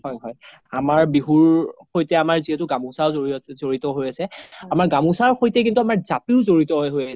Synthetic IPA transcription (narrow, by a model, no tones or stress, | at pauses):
hɔjɦɔj | amaɹbiɦuɹxojtɛamaɹziɛtʊɡamũsaɹzoizoɹitɔɦojasɛamaɹɡamũsaɹxojtɛkintuamaɹzapiʊzoɹitɔɦɔjɦojas